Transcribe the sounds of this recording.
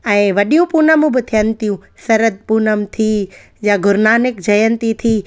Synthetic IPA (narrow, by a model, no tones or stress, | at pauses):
ɛ̃ːʋɐɗijũpuːnəm̃bɪt̪ʰijənɪ̆t̪ijũ | sɐɾəd̪̚puːnəmt̪ʰiː | jãɡʱʊɾnaːnɪk̚d͡ʑɐjənɪt̪it̪ʰiː